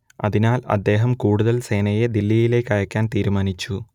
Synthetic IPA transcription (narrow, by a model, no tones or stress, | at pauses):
ɐ̰ðinaːlɐ̰d̪ːe̞ːɦɐmkuːɽuðɐlse̞ːnɐjed̪ilːijile̞kːɐɻɐkʲːaːnt̪iːɾumaːnit͡ɕːu